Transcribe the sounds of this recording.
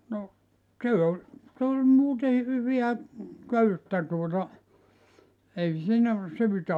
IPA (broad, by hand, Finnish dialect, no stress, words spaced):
no se olʲ s olʲ muːtei hyʋiæ køytːæ tuotɑ ei siːnæ syːtæ